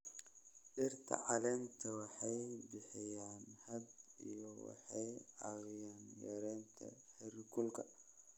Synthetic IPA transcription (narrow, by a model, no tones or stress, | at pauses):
ʔɪrt̪ʰɐ̰ʕɑlɛnt̪ʰɐwɑħɑjbɪħɪjaːnhɐbijɔwɑ̰ħɑjɐwɪjaːnjɛ̰ɾɛːnt̪ʰɐ̰ħɛrɪkʰʊlkʰɐ